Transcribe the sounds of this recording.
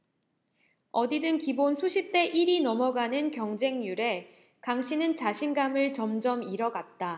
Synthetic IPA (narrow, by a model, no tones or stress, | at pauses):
ʌdidɯnkibonsʰuɕʰip̚t͈e̞ʔiɾinʌmʌɡanɯnkjʌŋd͡ʑe̞ŋjuɾe̞ | kaŋɕʰinɯnt͡ɕaɕʰinɡamɯɭt͡ɕʌmd͡ʑʌmiɾʌɡat̚t͈a